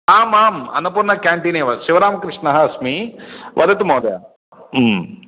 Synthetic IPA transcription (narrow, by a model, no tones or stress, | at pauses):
aːmaːmɐ̰nːɐp̬uɾnːɐkaːɳʈiːneːʋɐʃiʋɐɾaːmɐkɾɪʂnɐɦɐɐsmiʋʔɐd̪ɐt̪̬umɐwd̪ɐja̰ | m